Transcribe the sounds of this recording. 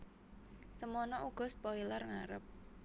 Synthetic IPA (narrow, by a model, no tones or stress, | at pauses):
səmɔnɔʔuɡ̥ɔ̤spɔilərŋaɾəp̚